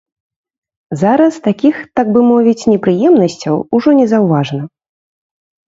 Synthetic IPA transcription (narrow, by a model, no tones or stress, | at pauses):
zaɾɐst̪akʲixt̪aɡ̚bɨmɔvʲit͡sʲnʲɛpɾɨjɛmnɐsʲt͡sʲɐwuʐɔnʲɛzawvaʐnɐ